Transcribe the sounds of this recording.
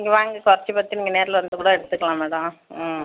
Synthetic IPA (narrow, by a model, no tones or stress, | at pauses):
niŋɡɐʋaːŋɡɐkɔɾɐt͡ʃːipɐt̪ːiniːŋɡɐneːɾɪlɐʋɐnd̪ɯkuːɽɐɛɽɯt̪ːɯkːɐlãːmeːɽɐmː